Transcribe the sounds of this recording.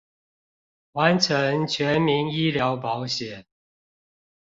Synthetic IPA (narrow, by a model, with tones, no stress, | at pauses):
wa˨˦nʈ͡ʂʰə˨˦ŋt͡ɕʰɥɛ˨˦nmi˧˥ŋi˦ljɑ˧˥ʊpɑ˧˦ʊɕjɛ˨˩˦